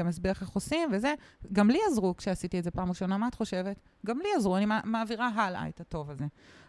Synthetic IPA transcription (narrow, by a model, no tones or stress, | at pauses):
amas̬beχaχosimveze̞ɡamliazʁukʃeasitietzepaːmʁeʃo̞namaat̪χo̞ʃe̞vet | ɡamliazʁuanimamaːviʁaɦala̰etato̞vaze̞